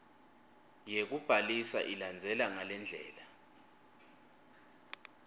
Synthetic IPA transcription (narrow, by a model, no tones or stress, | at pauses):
jek̬ub̥ʱalisa̰ʔiland͡zʱɛlaŋalɛnd͡ɮʱɛ̰ːla